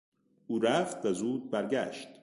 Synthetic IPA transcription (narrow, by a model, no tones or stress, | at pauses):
uːɾæft̪væzuːd̪̚bæɾɡæ̰ːʃt̪